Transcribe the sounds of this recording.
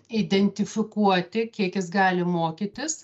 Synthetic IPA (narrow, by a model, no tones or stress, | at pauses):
ɪd̪ʲɛnʲt̪ʲɪfʲɪkuɔt̪ʲɪkʲiɛkjɪsɡɑːlʲɪmoːkʲɪt̪ʲɪs